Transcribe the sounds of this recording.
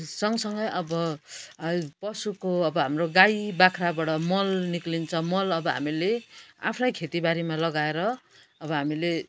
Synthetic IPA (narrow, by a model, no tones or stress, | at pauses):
sʌŋʌsʌŋɡʌjʔʌbʌ | pʌsukoʌbʌɦamroɡajbakʰrabaɽʌmʌlniklint͡sʰʌmʌlʌbʌɦa̰milea̰pʰrajkʰet̪ibaɾimalʌɡaeɾʌ | ʌbʌɦamile